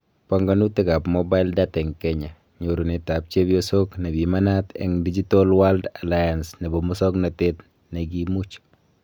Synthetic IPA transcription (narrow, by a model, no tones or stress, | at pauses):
paŋɡɔnutɛkapmobaɪldatɛŋkɛɲa | ɲoɾunɛtap̚t͡ʃebjosoknɛbimanatɛ̰ŋdid͡ʒitɔlwaldalajansnɛbɔmʊsɔknɔtet | nɛk̬imut͡ʃ